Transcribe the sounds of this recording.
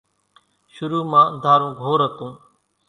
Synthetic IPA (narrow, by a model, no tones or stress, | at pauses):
ʃʊɾuːmãːd̪ʱaːɾũːɡʱoːɾəkũː